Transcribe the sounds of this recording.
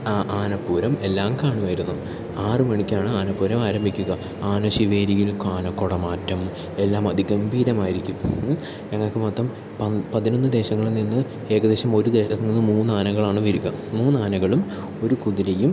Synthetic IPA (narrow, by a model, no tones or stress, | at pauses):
aʔaːnɐpːuːɾɐme̞lːaːmkaːɳuʋaːjiɾunːu | aːrɨmɐɳikʲːaːɳɨaːnɐpːuːɾɐmaːɾɐmbʱikʲːuɣɐ | aːnɐɕiʋeːɾijilkaːnɐkːoɽɐmaːtːɐm | e̞lːaːmɐd̪ʱiɡɐmbʱiːɾɐmaːjiɾikʲːum | ɲɐŋːɐɭkːɨmɐt̪ːɐm | ɐpɐðino̞nːɨd̪e̞ːɕɐŋːɐɭninːɨ | e̞ːkɐd̪e̞ːɕɐmo̞ɾud̪e̞ːɐninːɨmuːnaːnɐɣɐɭaːɳɨʋiɾuɣɐmuːnaːnɐɣɐɭum | o̞ɾukuðiɾejum